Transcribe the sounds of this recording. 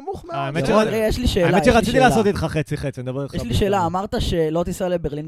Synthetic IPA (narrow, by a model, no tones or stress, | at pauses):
muχmaemetʃeaejeʃliʃeːaelaeʃeʁat͡st͡sit̪ilaːsot̪it̪χaχet͡siχet͡sind̪abeejeʃliʃe̞ːlaːmaʁt̪aʃe̞lot̪isalebeʁlin